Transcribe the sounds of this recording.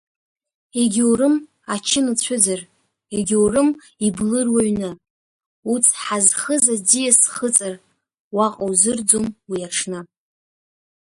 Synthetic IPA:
eɡʲwrɨm | at͡ʃʰɪnɨt͡ɕʷʰʊd͡zar | eɡʲwrɨm | iblɨrwaɥnɨ | ut͡sʰħazχəzad͡zijasχət͡sʼar | waqʼowzɨrd͡zomwiaʈ͡ʂʰnɨ

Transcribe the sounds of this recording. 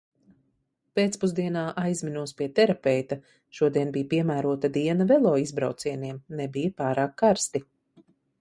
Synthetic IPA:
peːt̪spuzd̪iɛnaːʔajzminuɔspiɛt̪ɛɾapɛjt̪a | ʃuɔd̪iɛnbijpiɛmæːɾuɔt̪ad̪iɛnavɛlˠɔːizbɾa̰wt̪siɛniɛmnɛbijpaːɾaːkʰːaɾst̪i

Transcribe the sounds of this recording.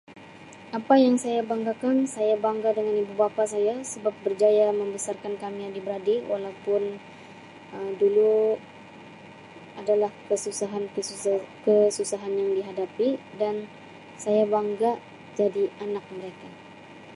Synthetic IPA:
apajaŋsajabaŋɡakansajabaŋɡadəŋanibubapas̬ajasəbap̚bərd͡ʒajaməmbəsarkankamiadibəɾadiwʔalawpʊn | ədulu | adalahkəsusaɦankəsukəsusaɦanjaŋdiɦadapi | dan | sajabaŋɡaʔ | d͡ʒadianak̚məɾeka

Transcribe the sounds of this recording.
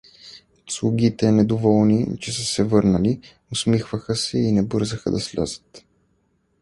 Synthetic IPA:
slˠʊɡʲit̪ɛnɛd̪ovɔlˠnit͡ʃɛsəsɛvɤɾnəli | ʊsmixvəxəsɛinɛbɤɾzəxə̰d̪ɐslʲa̰zə̥t̪

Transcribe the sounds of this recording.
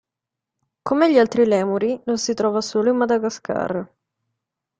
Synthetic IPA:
komeʎːialt̪ɾilɛːmuɾinonsit̪ɾɔːvasoːloimːad̪aɡaskʰa̰r

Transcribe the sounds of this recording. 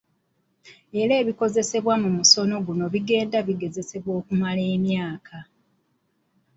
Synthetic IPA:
e̞ɾeːβiko̞ze̞se̞βwamumuso̞no̞ɡuno̞βiɡe̞ːndaβiɡe̞ze̞se̞βwo̞ːkumale̞ːmjaːkʰa

